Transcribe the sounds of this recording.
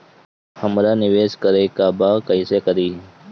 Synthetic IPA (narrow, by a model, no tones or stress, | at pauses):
həmɾaːnɪʋeːskəɾeːkaːbaːkəiseːkəɾiː